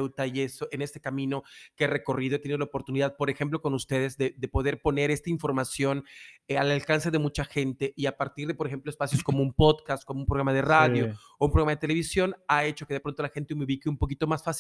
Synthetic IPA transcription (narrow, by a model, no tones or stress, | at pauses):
wt̪aie̞so̞ʔene̞st̪e̞kamĩno̞kere̞ko̞riðoet̪eniðolopo̞ɾt̪uniðaðpo̞ɾe̞xe̞mp̬lo̞ko̞nust̪e̞ð̞e̞zðe̞d̪e̞po̞ð̞e̞ɾpo̞ne̞ɾe̞st̪aiɱfo̞ɾmasjonalalkanse̞ðe̞mut͡ʃaxe̞nt̪e̞ʔiapaɾt̪iɾðe̞poɾexe̞mploespasjo̞sko̞moumpo̞ðkast̪̚ko̞moumpɾoɣɾamaðeraðjo̞ | oumpɾoɣɾamaðet̪ele̞β̞isjo̞nae̞t͡ʃokeðe̞pɾont̪o̞laxe̞nt̪eumeuβikeumpo̞k̬it̪o̞masfas